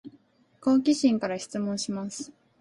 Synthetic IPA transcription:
koːkʲiɕĩŋkaɾaɕi̥t͡sɨmõɰ̃ɕimasɨ̥

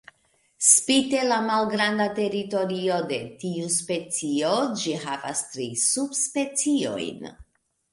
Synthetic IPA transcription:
spite̞lamalɡɾandate̞ɾito̞ɾio̞de̞tiuspe̞t͡sio̞d͡ʒiɦava̰stɾisubspe̞t͡sio̞̰jn

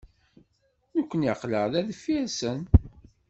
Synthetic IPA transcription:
nəkʷːənjiqləʁðæðəfiɾsən

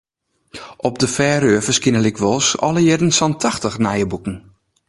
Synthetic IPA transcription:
ʔɔp̚dəfɛːɾøəvəskɪnəlɪkʰʋɔlˠsɔ̰lˠəjɛdən̩sɔntʰaxtəxnajəbukn̩

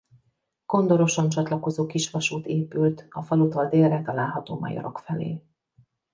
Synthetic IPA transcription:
ɡ̥o̞nd̪o̞ɾo̞ʃont͡ʃɒt̪lɒko̞zoːkiʃʋɒʃuːt̪eːpylt̪ɒfɒlut̪ɒld̪eːrɛt̪ɒlaːlɦɒt̪o̰ːmɒ̰jɒ̰ɾo̞̰kfɛlḛː

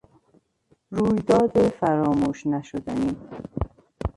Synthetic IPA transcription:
ɾuːjd̪ɒːd̪efæɾɒːmuːʃnæʃod̪æniː

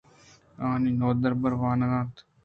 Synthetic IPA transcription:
aːniːnoːd̪əɾbəɾʋaːnɐɡãːt̪

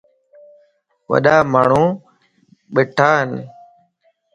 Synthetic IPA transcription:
ʋə̰ɗaːmaːɳ̤ũː | ɓɪʈʰaːɦən

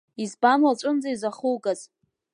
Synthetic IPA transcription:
izbamat͡ʃʷʼʊnd͡zaizaχulɡʼaz

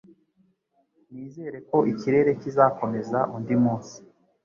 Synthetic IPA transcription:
niːze̞ɾe̞ko̞ʔiciɾe̞ɾe̞cizako̞me̞zaʔundimuːsi̥

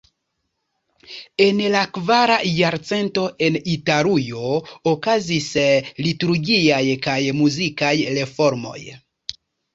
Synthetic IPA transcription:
e̞nlakvaɾajaɾt͡se̞nto̞e̞nitaɾujo̞okazislituɾɡiajkajmuzikajɾe̞fo̞ɾmo̞̰j

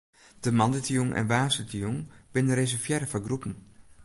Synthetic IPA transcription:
d̥əmɑndətəjuŋʔɛ̰nʋaːsətʰəjuŋb̥ɪnəres̬ɛrfjɛɾəfɔɡrupən̩

